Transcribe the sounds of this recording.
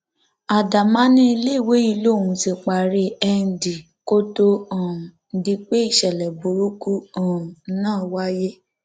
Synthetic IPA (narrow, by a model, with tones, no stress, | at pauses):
a˨da˨mã˦nĩ˦˧˦le˦˨we˨˦i˧lo˦˨ũ˨˧si˧k͡pa˨ɾe˧ɛ˧n̩˨di˨ | ko˦to˦ɔ̃˨n̩˨˦di˧k͡pe˦i˦˨ʃɛ˨lɛ˨bu˨ɾu˦ku˦ɔ̃˨˦nãː˦˨wa˦je˦